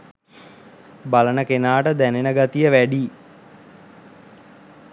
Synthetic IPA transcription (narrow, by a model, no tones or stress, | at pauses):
balənəkenaːʈəd̪ænenəɡat̪ijəʋæɖiː